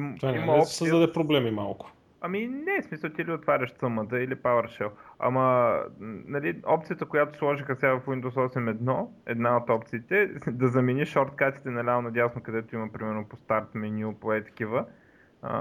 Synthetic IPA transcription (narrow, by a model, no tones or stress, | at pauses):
mt̪vaimɐɔp̪səzd̪ɐd̪ɛpɾoblɛmima̰lˠkʊ̥ | ɐminɛsmisəlˠt̪iliot̪vaɾʲəʃt̪səmət̪əilipavəɾʃɛlɐ̰mə | nɐliɔpt̪sijət̪əkojat̪o̥slˠɔʒixəst̪ʲavɐfwind̪oʊsɔsɛmɛd̪nɔɛ̰d̪naot̪ɔpt̪siːt̪ɛd̪ɐzɐminiʃɔɾt̪kat̪i̥t̪ɛnɐlʲanɐd̪ʲjavsnokɐd̪ɛt̪oiməpɾimɛɾnʊpost̪aɾt̪mɛnʲupoɛt̪ə̥k̟ivə | ə̰